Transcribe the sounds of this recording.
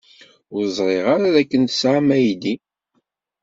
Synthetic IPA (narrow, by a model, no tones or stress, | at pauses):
ʊɾzˤɾˤeʁaɾaðækːənsʕmæjd̪i